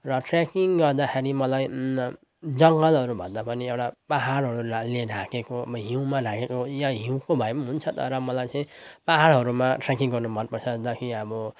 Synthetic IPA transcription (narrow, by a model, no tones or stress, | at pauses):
rʌʈrakiŋɡʌrd̪axʰeɾimʌlaj | d͡zʌŋɡʌlɦʌɾubʱʌnd̪apʌniewʈapaɦaɽɦʌɾulaleɾʱakekoʌbʌɦiw̃manakekojaɦiw̃kobʱʌjmɦunt͡sʰʌt̪ʌ̰ɾʌmʌlajt͡sʌ̃ĩpaɦaɽɦʌɾumaʈrakiŋɡʌrnubʱʌnpʌrt͡sʰʌd̪ʌkʰiʌbʌ